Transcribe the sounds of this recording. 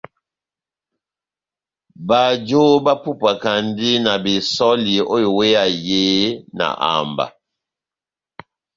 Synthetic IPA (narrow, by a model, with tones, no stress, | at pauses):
ba˨d͡ʒo˦ba˦pu˦pa˨ka˨ndi˦na˨bi˨sɔ˦li˨o˦i˨we˦a˨je˦na̰˨ʔa̰˨mba̰˨